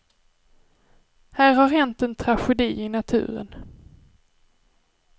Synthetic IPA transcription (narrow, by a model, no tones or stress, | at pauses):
hæːɾhaɾhɛnt̪ɛnt̪ʰɾaɧɛd̪iːɪnat̪ʰʉ̟̰ːɾə̰n